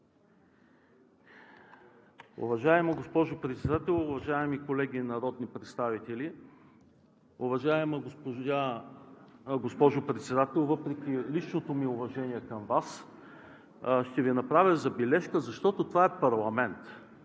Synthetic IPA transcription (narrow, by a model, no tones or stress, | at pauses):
ʊ̰vɐʒaɛmɐɡospɔʒopɾɛt̪sɛd̪at̪ɛlˠʊvɐʒaɛmikolɛɡʲinɐɾɔd̪nipɾɛt̪st̪avit̪ɛli | ʊvɐʒaɛmpa | ɡospɔʒopɾɛt̪sɛd̪at̪ɛlˠvɤpɾɛkʲilit͡ʃnot̪omiʊvɐʒɛniɛkɐmvas | ʃt̪ɛvinɐpɾavʲəzɐbilɛʃkəzɐʃt̪ɔt̪ot̪ovaɛpɐɾlˠɐmɛnt̪